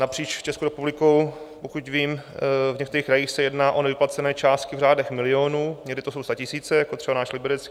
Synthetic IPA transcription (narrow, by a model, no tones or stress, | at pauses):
napr̝̥iːt͡ʃft͡ʃɛskowɾɛpublɪkowpokucviːmvɲɛkt̪ɛɾiːxkɾajiːxsɛjɛdnaːʔo̞nɛvɪplat͡sɛnɛːt͡ʃaːst̪kɪvraːdɛxmɪlɪoːnuːɲɛɡdɪt̪osowst̪acɪsiːt͡sɛjakot̪r̥ɛbanaːʃlɪbɛɾɛt͡ski